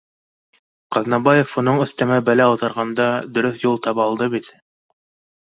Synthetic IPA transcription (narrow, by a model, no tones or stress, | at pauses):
qɑðnɑbɑjofunɤɴɵ̆θt̪æmæbælæowðɑɾʁɑnd̪ɑd̪ɵ̆ɾɵθjulˠt̪ɑpɑlˠd̪ɤβit̪